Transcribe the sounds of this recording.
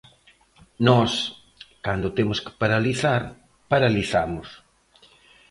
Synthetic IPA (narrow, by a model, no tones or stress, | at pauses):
nɔs | kand̪ot̪emʊskɪ̥paɾaliθaɾ | paɾaliθamʊs